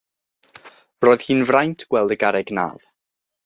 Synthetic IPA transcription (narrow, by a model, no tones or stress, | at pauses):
roːð̥hiːnvrajntʰɡ̥wɛlˠdəɡaɾɛɡna̰ːð